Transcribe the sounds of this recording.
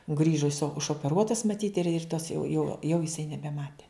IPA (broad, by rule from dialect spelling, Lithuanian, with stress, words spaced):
ˈɡrʲiːʒoː ɪsoː ʊʃoːpʲɛˈruɔtɐs mɐˈtʲiːt ɪr ɪr tɐs jɛʊ jɛʊ jɛʊ jɪˈsɐɪ nʲɛbʲɛˈmɑːtʲɛ